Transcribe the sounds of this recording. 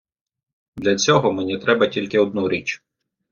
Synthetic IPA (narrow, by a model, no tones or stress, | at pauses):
d̪lʲɐt͡sʲɔɦɔmenʲit̪ɾɛbɐtʲilʲkɪɔd̪̚nuɾʲit͡ʃ